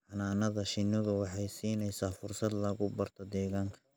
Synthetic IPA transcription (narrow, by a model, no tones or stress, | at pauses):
ħɑnaːnɐðɐʃɪnɔðʊwɑħɑjsiːnɛjsaːfʊrsɐd̪lɐɣʊbɐrt̪ʰɔd̪ɛːɣaːŋkʰɐ̥